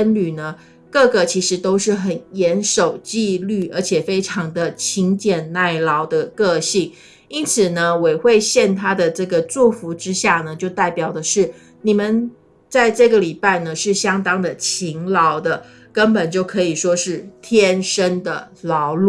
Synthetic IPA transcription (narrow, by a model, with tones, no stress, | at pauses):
ə˥nly˨˩nə˦ | kɤ˥˩ɡə˨˩t͡ɕʰi˧˥ʂɻ̩˧˥t̪o˥ʊʂɻ̩˥˩xə˨˩njɛ˧˥nʂo˨˩ʊt͡ɕi˥˧ly˥˩ʔə̰˞˧˥t͡ɕʰjɛ˨˩fe˥ɪʈ͡ʂʰɑ˧˥ŋd̪ə˧t͡ɕʰi˧˥ŋt͡ɕjɛ˨˩nna˥˩ɪlɑ˧˥ʊd̪ə˧kɤ˥˧ɕi˥˩ŋ | i˥nt͡sʰɹ̩˨˩nə˦we˨˩ɪxwe˥˧ɪɕjɛ˥˩nt̪ʰa˥d̪ə˨ʈ͡ʂɤ˥˩ɡə˩t͡su˥˩fu˧˥ʈ͡ʂɻ̩˥ɕja˥˩nə˩t͡ɕjo˥˧ʊt̪a˥˩ɪpjɑ˨˩ʊd̪ə˦ʂɻ̩˥˩ | ni˨˩mə˨n | t͡sa˥˧ɪʈ͡ʂɤ˥˩ɡə˩li˨˩pa˥˩ɪnə˩ʂɻ̩˥˩ɕjɑ˥ŋt̪ɑ˥ŋd̪ə˨t͡ɕʰi˧˥ŋlɑ˧˥ʊd̪ə˧ | kə˥npə˨˩nt͡ɕjo˥˩ʊkʰɤ˧˥i˨˩ʂwɔ˥ʂɻ̩˥˩t̪ʰjɛ˥nʂə˥nd̪ə̰˨˩lɑ˧˥ʊlu˥˩